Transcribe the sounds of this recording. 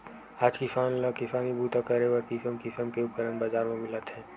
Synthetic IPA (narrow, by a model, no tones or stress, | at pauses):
aːd͡ʒkɪsaːnləkɪsaːnibʱuːt̪akəɾeʋəɾkɪsəmkɪsəmkeʊpəɾəmbɐd͡ʒaːɾmẽmɪlət̪ɦɛ̃ː